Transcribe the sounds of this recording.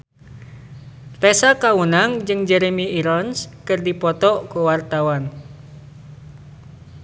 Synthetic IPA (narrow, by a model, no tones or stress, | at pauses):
t̪ɛsakaunaŋd͡ʒɨŋd͡ʒɛɾemiiɾɔnskɨrdipɔt̪ɔkuwart̪awan